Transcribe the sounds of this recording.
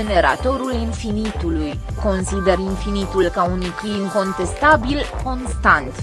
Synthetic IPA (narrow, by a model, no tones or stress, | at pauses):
ene̞ɾa̰t̪o̞ɾulinfinit̪uluj | ko̞nsid̪e̞rinfinit̪ulkaunujkiliŋko̞nt̪e̞st̪abilko̞nst̪ant̪